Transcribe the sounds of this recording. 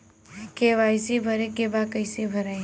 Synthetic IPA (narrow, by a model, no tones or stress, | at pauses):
keʋaɪsebʱəɾekebakəɪsebʱəɾa